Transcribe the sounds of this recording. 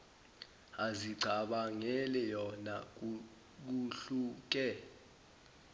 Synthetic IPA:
aziǀʱaɓaŋɛlɛjɔna | k̬uɬuk̬ɛ

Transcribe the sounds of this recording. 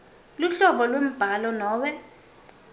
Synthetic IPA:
luɬɔɓɔlwem̩b̥ʱalɔnɔːɓɛ

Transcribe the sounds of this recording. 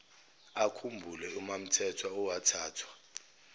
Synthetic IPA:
akʰumbʱulɛumam̩tʰɛtʰwaɔwatʰaːtʰwa

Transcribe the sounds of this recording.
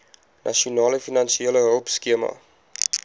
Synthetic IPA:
nʔɐ̰ʃiunɑːləfinɐnsieələɦəlˠpskiəmɐ̰

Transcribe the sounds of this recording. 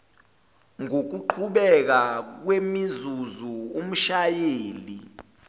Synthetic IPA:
ŋok̬uǃʰuɓɛk̬ak̬wemizuzuum̩ʃajeːli

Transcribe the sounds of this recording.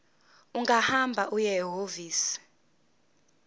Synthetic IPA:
uŋɡahambʱaʔujɛɦoviːsi̥

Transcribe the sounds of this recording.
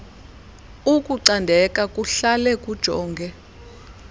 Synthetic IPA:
uk̬ʼuǀandʱɛkʼakʼuɬalɛk̬ʼud̥ʒ̥ʱɔːŋɡʱɛ

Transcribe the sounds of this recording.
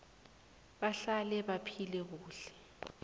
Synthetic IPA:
ɓaɬalɛɓapʰilɛk̬uːɬɛ̥

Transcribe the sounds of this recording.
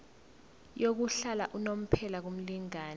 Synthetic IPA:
jok̬uɬalaʔunom̩pʰɛlak̬um̩liŋaːn

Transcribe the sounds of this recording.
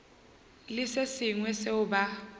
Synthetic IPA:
lɪsesɪŋwɛseʊba

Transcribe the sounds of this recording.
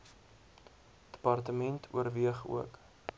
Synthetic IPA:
d̥ə̥pɐrtəmɛntʰṵərviəχṵək

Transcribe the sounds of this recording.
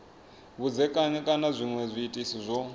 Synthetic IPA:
βud͡zɛkʼaɲɛkʼanazʷiŋwɛzʷiːtʼisizʷɔ

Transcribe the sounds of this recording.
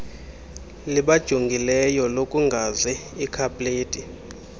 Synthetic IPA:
liɓad̥ʒ̥ʱuŋɡʱilɛjɔlokʼuŋɡʱazɛikʰapʼleːtʼi

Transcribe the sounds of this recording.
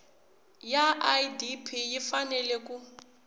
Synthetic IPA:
jaʔajdipʰijifanɛlɛk̬ʼu

